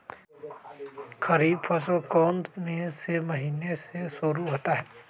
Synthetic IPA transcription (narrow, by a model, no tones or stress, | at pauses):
kʰɐɾiːbpʰɐsokɔːnt̪mẽsemɐɦiːnesesʊɾuɦoːt̪aɦɛː